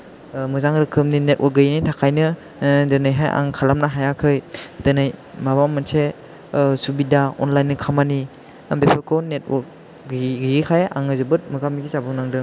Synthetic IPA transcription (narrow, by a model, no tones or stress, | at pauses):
mɯzaŋɾɯkʰɯmninet̚ʔɔɾ̚ɡɯjnitʰakʰajnɯ | dɯnɯjɦajʔa̰ŋkʰalamnaɦajakʰɯjtɯnɯjmabamɯnse | subidaɔ̰nlajnːɯkʰamani | ambepʰekʰɔnet̚ɔɾk̚ | ɡɡiɡikʰajʔa̰ŋɯzɯbɯt̚mɯɡamiɡizabɯnaŋdɯŋ